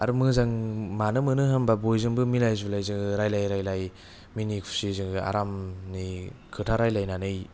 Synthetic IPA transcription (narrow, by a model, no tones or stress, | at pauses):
a̰ɾmɯzaŋmanɯmɯnɯɦambabojzɯŋbɯmilajzulajzɯŋɯɾajlajɾajlaj | minikʰu̥sizɯŋɡɯa̰ɾamnikʰɯtʰaɾajlajnanɯj